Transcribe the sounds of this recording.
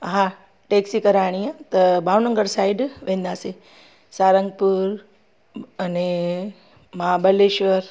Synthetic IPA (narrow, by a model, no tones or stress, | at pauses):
ɦã | ʈeːksikɐɾaːɽ̃iãt̪ɐbaːʋnə̃ŋɡəɾsaːɪɖʋẽːn̆d̪aːse | saːɾə̃ŋɡ̚puɾ | ɐne | mabɐleʃʋəɾ